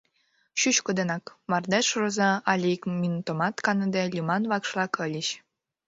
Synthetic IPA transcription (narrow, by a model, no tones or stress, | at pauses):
ɕyɕkod̪enɑkmɑrd̪ɑʃrŏzɑɑlʲikmʲinut̪omɑt̪kɑnɤ̆d̪elʲymɑnβɑkʃlɑkɤ̆lʲiɕ